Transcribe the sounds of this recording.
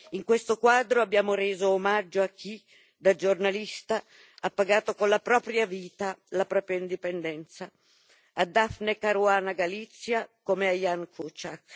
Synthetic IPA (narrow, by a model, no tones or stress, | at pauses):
iŋkwest̪okwaːd̪ɾoabːjaːmoɾeːzoːmad͡ʒːoak̟ːi | d̪ad͡ʒornalist̪a | apːaɡaːt̪okonlapɾɔːpɾjaviːt̪alapɾɔːpɾjaind̪ipɛnd̪ɛnt̪sa | ad̪afnekaɾuaːnaɡalit̪sːjakomeajankut͡ʃak